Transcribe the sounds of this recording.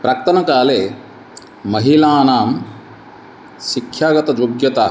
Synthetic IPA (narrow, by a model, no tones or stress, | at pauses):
pɾɐk̚t̪ɐnɐkaːleː | mɐɦilaːnaːm | sikʰjaːɡɐt̪ɐd͡ʒoɡjɐt̪a